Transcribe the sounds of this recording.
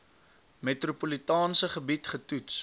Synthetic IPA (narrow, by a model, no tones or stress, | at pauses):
metrupolitɑːnsəχəbitχətuts